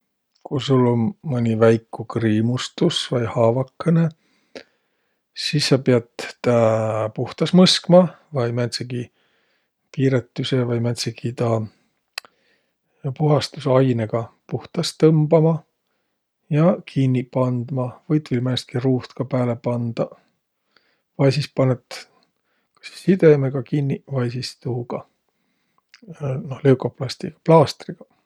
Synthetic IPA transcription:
kusulːonmɤnʲivæjkːukriːmust̪usvɑjhɑːvɑkːɤne̞ | sisːɑpeɑt̪t̪æpuht̪ɑsmɤskmɑvɑjmæt̪seɡi | piːɾet̪ˑːysevɑjmæt̪sekit̪ɑ | puɦɑst̪usɑjneɡ̥ɑpuht̪ɑst̪ɤmbɑmɑ | jɑkʰinːipɑnd̪̥mɑvɤjt̪vilmæːst̪̚kiruːst̪kɑpæːlepɑnd̪̥ɑ | vɑjsispɑnet̪ | kɑ̥si̥sid̪e̞meɡɑkinːivɑjsist̪uːɡ̥ɑ | nohleuwkoplɑst̪iɡ̥ɑ̥plɑːst̪riɡ̥ɑ̥

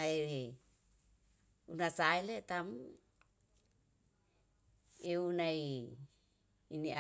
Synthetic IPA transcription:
aeɦe | unasaelet̪amu | eunai | nia

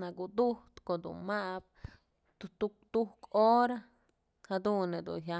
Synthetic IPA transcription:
naɡud̪uht̪kod̪ṵnmaʔb̚ | t̪ut̪uk̚t̪uhkoɾa | had̪uned̪ṵnɦa

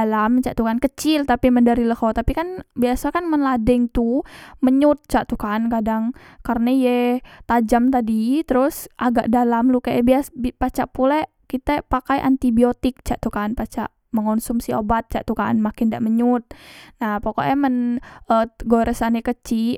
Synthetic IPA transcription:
alamt͡ʃaʔt̪ukankət͡ʃɪlt̪apiməndəɾiləhot̪apikanbiasakanmənladɛŋt̪uməɲut̪̚t͡ʃaʔt̪ukankadaŋ | karənajɛt̪ad͡ʒamt̪adit̪əɾusʔaɡa̰ʔdalamlukajʔa̰biasbipat͡ʃaʔpula | kit̪apakajʔa̰nt̪ibiot̪ɪk̚t͡ʃaʔt̪ukanpat͡ʃa̰ʔ | məŋonsumsiobat̪̚t͡ʃa̰ʔt̪ukanmakɪnda̰ʔməɲut̪̚nahpoko̰ʔɛmənəɡoɾəsanakət͡ʃi

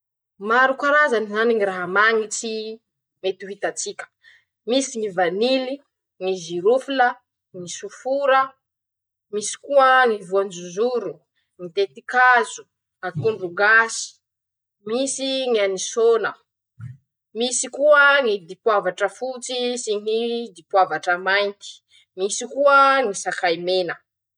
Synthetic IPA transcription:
maɾukaɾazanizaniŋiɾaɦamaŋit͡si | met̪uɦit̪at͡sikʲə̥ | misiŋivanili | ŋiziɾufilə | ŋisufuɾə | misi̥kuəŋivuand͡ʒuzuɾu | ŋit̪et̪ikazu̥ | akuɳɖ͡ʐuɡasi̥ | misiŋianisonə | misikuəŋid̪ipwavaʈ͡ʂəfut͡sisinid̪ipwavaʈ͡ʂəmajnt̪i̥ | misikuəŋisakajmenə

